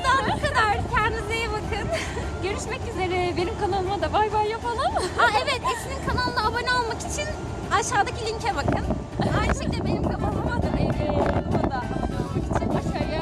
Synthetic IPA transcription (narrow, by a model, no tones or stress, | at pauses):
d̪aakad̪aɾcʰænd̪izejɛbakʰɯn | ɟø̞ɾyʃmɛcyze̞ɾɛbenimkʰanalˠmad̪abajbajːafalˠanhaɛvɛt̪esininkʰanalˠlˠaabonɛalˠmakit͡ʃʰin | aʃaːd̪acilʲiɲcʰɛbakʰɯn | ajnɯʃɛc̚d̪ʲɛbenimkʰanalmˠamad̪abɛbeod̪aolmakit͡ʃʰibaʃaja